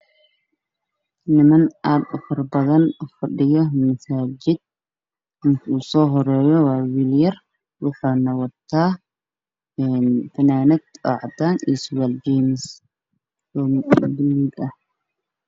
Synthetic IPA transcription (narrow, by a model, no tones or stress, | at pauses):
nɪmɐnʔaːd̪ʊfɐrbɐðɐnfɐɖɪjɔmɐsaːd͡ʒɪd̪̚ | kʰuːsɔːɦɔɾɛːjɔwɑːwiːljɐr | wʊħaːnɐwɐt̪ʰːaː | ɛːnfɐnaːnɐd̪ɔ̰ʕɑd̪aːnḭːswald͡ʒɛːmɪs | ɔbɪlːiːlɐh